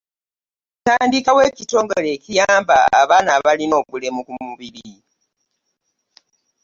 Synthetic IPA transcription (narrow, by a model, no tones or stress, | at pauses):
taːndikawe̞ːcito̞ːŋɡole̞cijaːmba̰a̰βaːnaβalino̞ːβule̞mukumuβiɾii